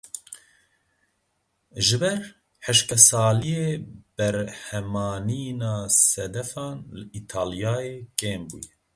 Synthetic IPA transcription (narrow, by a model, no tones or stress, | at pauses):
ʒɨbɛɾ | ħəʃkɛsɑːlijeːb̥ɛɾhɛmɑːniːnɑːsɛd̪ɛfɑːnlɨʔit̪ʰaːlijɑːjeːkeːmbṵːjɛ